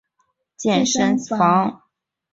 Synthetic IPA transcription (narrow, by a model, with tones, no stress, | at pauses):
t͡ɕjɛ˥˩nʂə˥nɑ˧˥ŋ